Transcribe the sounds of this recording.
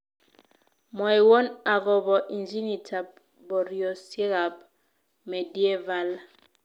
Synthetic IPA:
mɔ˨i˨wɔ˦na˨ɣɔ˨bɔ˨ʔi˨nd͡ʒi˦ni˨tʰa˨p̚ | bɔ˨ɾjo˨sje˦ɣa˨p̚ | me˨di˦e˦va˦l

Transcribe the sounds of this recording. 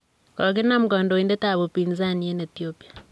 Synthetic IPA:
kɔ˨k̬e˦na˦mu˦kɔ˨ndo˨i˨nde˦ta˨βo˨pi˨nza˦nie˦ne˨tiopi˨a˨

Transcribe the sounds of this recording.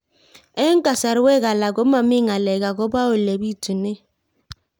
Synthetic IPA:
e˦ŋ̩˦ka˨sa˨ɾwe˦ɣa˨la˨ɡo˦ma˨mi˦˨ŋa˨lɛ˨ɡa˨ɡo˦ba˦o˨le˨bi˦tu˨ne˦

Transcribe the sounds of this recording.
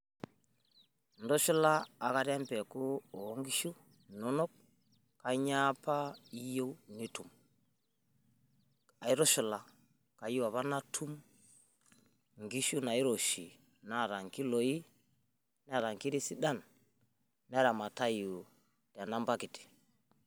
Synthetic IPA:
ndɔ˦ʃu˦laː˦˨ka˦ɾa˦mpɛ˨ku˦ɔ˨˦ŋɡi˦ʃu˦ | nɔ˦nɔ˦k̚ | ka˨ɲapa˦i˦jo˦ni˦tu˨m | a˨i˦ɾɔ˦ʃu˨la˨ | ka˨ji˦wa˨βa˦na˦tʰu˦m | ŋɡi˦ʃu˦na˨i˦ɾɔ˨ʃi˨ | na˨ɾa˨ŋki˦lɔ˨i˦ | n˦a˦˨ɾa˨ŋki˦ɾi˦si˦ɗa˦˨n | n˦a˦ɾa˨ma˨ta˦ju˨ | tja˨na˦mba˦ki˨ti̥˨

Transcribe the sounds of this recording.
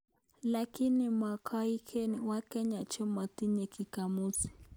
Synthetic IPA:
laki˦nima˨kʰa˦i˦kʰɛwakɛ˦ɲa˨t͡ʃɛ˦ma˨ti˦ɲɛ˨ki˨ka˨mu˦si̥˨

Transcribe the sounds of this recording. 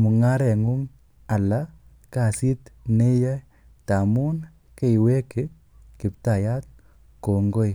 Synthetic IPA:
mu˨ŋa˦ɾɛ˨ŋu˦ŋ | a˨la˦ | ka˨si˦tne˦ja˦ | ta˨mu˦n | ke˦˨we˦ke˦ | kɪ˨p̚ta˨ja˦t̚ | ko˨ŋɡo˦j

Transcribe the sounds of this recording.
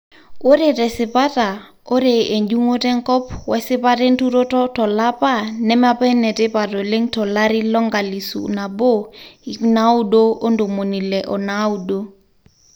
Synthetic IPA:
o˦ɾe˨tɛ˨sɪ˨pa˦ta˨ | o˦ɾe˨e˨ɲd͡ʒu˦ŋo˦tɛ˦ŋkɔ˦pwɛ˦sɪ˦pa˦te˦ntu˦ɾo˦tɔ˦tɔ˨la˦pa˦nɛ˦ma˦pɛ˦nɛ˨te˦pa˨to˨le˦ŋtɔ˨la˦ɾi˦lɔ˦ŋɡa˨li˨sṵ˨na˨bo˦i˨na˦u˦do˦o˦ndo˨mo˨ni˨le˨ʔɔ˨na˦u˦do˦

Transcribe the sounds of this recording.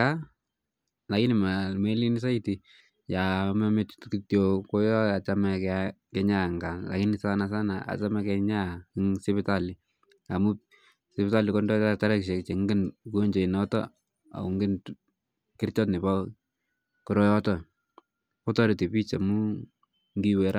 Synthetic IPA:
a˦ | la˨ki˦nɪ˨ma˨me˦li˦ni˦s̬a˦i˦ti | ja˨ma˦me˦ttki˦tjo˨ko˦jɔ˦a˨t͡ʃa˦mɛk | kɛɲa˦ŋɡa˨nla̰˨ki˦nɪ˨sanasa˦na˨a̰˨t͡ʃa˦mɛkɛɲa˦i˦ŋsɪpɪta˦li˨ | a˨mu˦ | sɪpɪta˦li˨kɔndɔ˦ta˦ɾɛ˦kʃ̬ɛ˨kt͡ʃe˨ŋɡɪ˦nku˦ɲd͡ʒe˨ɪ˨nɔtɔ̰˦ | a̰˨u˨ŋɡɪ˦n | ki˦rt͡ʃɔ˦tnɪ˨pa˦ | kɔ˨ɾɔ˦jɔ˦tɔ˦ | kɔ˦tɔ˦ɾi˨ti˨pi˦t͡ʃa˨mu˦ | ŋɡiwɛ˨ɾʔa˦

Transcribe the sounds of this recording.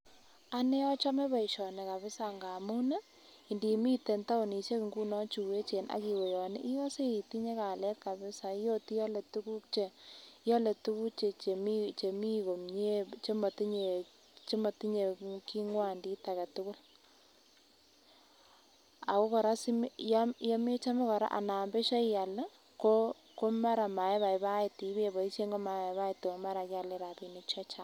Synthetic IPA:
a˦ne˦ɔ˦t͡ʃɔ˦me˦pa˨i˨ʃɔ˨ne˨ka˨βɪ˦sa˨ŋɡa˨mu˦na˦ | i˨ndi˨mi˦te˨nta˦ʊ˨ni˨t͡ʃe˦kŋɡu˦nɔ˦t͡ʃu˨we˦t͡ʃe˨nʔa̰˨˦ki˨we˨jɔ˨nɪ̰˦ʔɪ˦jɔ˦se˦i˨ti˦ɲe˦ka˨lɛ˦t̚ka˨bɪ˦sa˨i˦jo˦ti˦jɔ˦le˨tu˦ku˦k̚t͡ʃe˨˦jɔ˦le˨tu˦ku˦t͡ʃe˨e˨mi˦t͡ʃe˨mi˦ko˨mɲe˦t͡ʃe˦ma˨ti˦ɲe˨ | t͡ʃe˦ma˨ti˦ɲe˨ki˦ŋwa˦˨ndi˦ta˨kɛ˨tʊ˦kʊ˦l | a˨ko˦kɔ˨ɾa˦si˦mjja˦me˦t͡ʃa˦mo˦kɔ˨ɾa̰˦ʔa̰˨na˨mbe˦ʃa˦ja˨l | ko˦ | ko˦ma˦ɾa˨ma˨e˦ba˨ɪ˨ba˦ɪ˨ti˨˦be˦bɔ˨i˦ʃje˦ŋɡo˦ma˨ba˦ɪ˨to˨ma˦ɾa˨ka˨le˦ɾa˨pi˨ni˦t͡ʃɔ˦t͡ʃa˦˨

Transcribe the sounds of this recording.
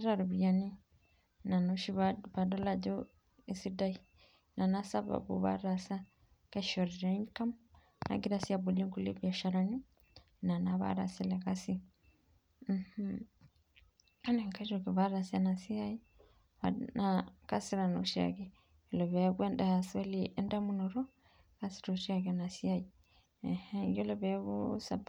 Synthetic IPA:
a˦ɾa˨ɾu˨βija˨ni˦ | na˨no˦ʃi˦βa˨da˦la˨d͡ʒo˦ | e˨si˦da˦i˨ | na˨na˦sa˦βa̰˨bṵ˨βa̰˦ɾa˨sa˦ | ka˦ʃo˨ɾi˨ɾe˦ŋ˦ka˦m | na̰˨ɡi˦ɾa˦si˦a˨bu˨li˦ŋku˦lḭ˦bja˨ʃa˨ɾa˨ni˦ | na˨na˨βa̰˦ɾa̰˨si˦le˨ka˦si˦ | m̩˨h̩˦ | ka˦ne˨ŋka˦ʃo˨ki˨βa˦ɾa˨sa˦na˨si˦a˦ji˦ | a˨naka˦si˦ɾa˨no˨ʃi˦a̰˨ki˦ | jo˨lo˨βɛ˨˦ɡe˦nda˨so˦liʔɛ˦nda˦mu˦no˨ɾɔ˦ | ka˦si̥˦ɾo˨ʃi˦a˨ke˨na˨si˦a˦ji˨ | e˨hɛ˦jo˦lo˨βɛ˨˦βu˦sa˨b

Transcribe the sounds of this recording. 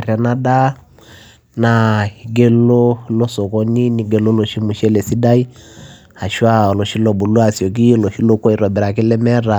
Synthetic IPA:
ɾa˨na˦ɗa˦ | na˨i˨ɡɛ˦lɔ˦lɔ˦sɔ˨kɔ˦ni˦ni˨ɡɛ˨lɔ˦lɔ˨ʃi˦mu˨ʃɛ˦lɛ˨si˦da˦i˦ | ha˨ʃwa˦ɔ˨lɔ˨ʃi˦lɔ˨bu˨lu˦a˨sjɔ˨k̬i˦lɔ˨ʃi˦lɔ˦kɔ˦i˨ɾɔ˨bɛ˨ɾa˨kɛ˦lɛ˦mɛ˦ɾa˨

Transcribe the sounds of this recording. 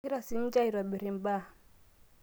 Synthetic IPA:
i˦ɾa˦si˨˦n̩˦d͡ʒa˦i˨ɾa˨ɓi˨ɾi˨m˨ba˦

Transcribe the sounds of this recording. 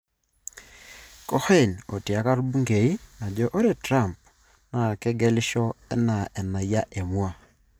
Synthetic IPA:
kɔ˦xe˦˨no˨ta˨ka˦ɾbu˦ŋɡe˨i˦na˨d͡ʒɔ˦ʔo˦ɾe˦˨tɾa˦˨mp̚ | na˨kɛ˦ɡɛ˦lɪ˦ʃɔ˦ɛ˦na˨ʔɛ˨na˨ja˦ʔe˨mwa˦

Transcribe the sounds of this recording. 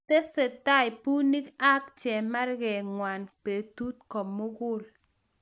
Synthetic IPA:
te˦se˨ta˦ɪ˨pu˦ni˦ka˦kt͡ʃɛ˨ma˦rɡɛ˨ŋwa˨npe˨tu˦t̚kɔ˨mːo˦ɡʊ˦˨l

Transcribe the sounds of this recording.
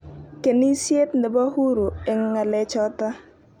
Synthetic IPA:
ke˨ni˦sje˦tndɛ˨ba˦hu˦ɾu˨ɪ˨ŋːa˨lɛ˨t͡ʃɔ˦ta˦

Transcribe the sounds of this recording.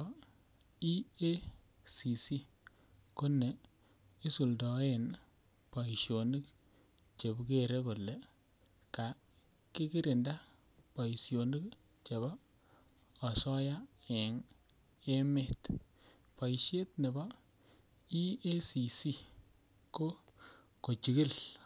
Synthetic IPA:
i˦e˦ | si˨si˦ | ko˦ne˨ | i˦su˨ldɔ˨˦e˦˨n | pa˨i˨ʃjo˨ni˦k | t͡ʃe˨bke˦˨ɾe˦ko˨le˨ | ka˨ | kɪ˦ki˦ɾi˨nda˦ | pa˨i˨sjo˨ni˦k | t͡ʃe˨βɔː˦˨ | sɔ˦ja˦e˨ŋ | e˦me˦t | pa˨i˨ʃe˦tne˨bɔ˦ | i˦e˦si˨si˦ | ko˦ | ko˨t͡ʃi˨ɡi˦l

